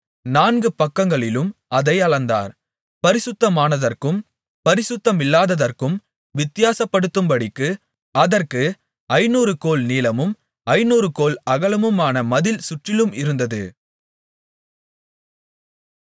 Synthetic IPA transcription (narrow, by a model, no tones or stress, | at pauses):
naːnɡɯpɐkːɐŋɡɐɭɪlɯmɐðɐɪɐɭɐnd̪a̰ːɾ | pɐɾɪsʊt̪ːɐmaːnɐðɐrkɯm | pɐɾɪsʊt̪ːɐmɪlːaːðɐðɐrkɯm | ʋɪt̪ːɪjaːsɐpːɐɽɯt̪ːɯmbɐɽɪkːɯ | ɐðɐrkɯ | ɐɪnuːɾɯkoːlniːlɐmɯm | ɐɪnuːɾɯkoːlɐɣɐɭɐmɯmaːnɐmɐðɪlsʊʈrɪlɯmɪɾɯnd̪ɐðɯ̰